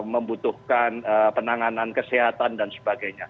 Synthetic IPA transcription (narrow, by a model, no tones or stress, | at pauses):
məmbut̪uhkanəpənaŋanankəseɦat̪andansə̥baɡajɲa